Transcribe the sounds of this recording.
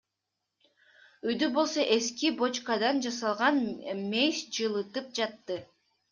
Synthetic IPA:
yjd̪ybo̞lˠso̞ʔe̞skibo̞t͡ʃkad̪ɑnd͡ʒɑsɑlˠʁɑnmejsd͡ʒɯlˠɯt̪ɯp̚d͡ʒɑt̪ːɯ

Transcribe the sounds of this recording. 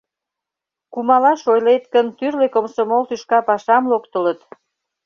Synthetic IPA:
kumɑlɑʃojlet̪kənt̪yrlekomsomolt̪yʃkɑpɑʃɑmlokt̪ə̆lət̪

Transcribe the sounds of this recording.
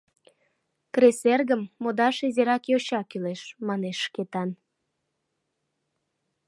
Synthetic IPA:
kreserɣəmːod̪ɑʃezeɾɑkjoɕɑkyleʃmɑneʃːket̪ɑn

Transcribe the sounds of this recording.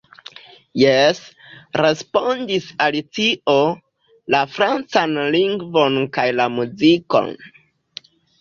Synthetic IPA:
jes | ɾe̞spo̞ndisalitio̞ | lafɾant͡sanliŋɡvo̞nkajlamuziko̞̰n

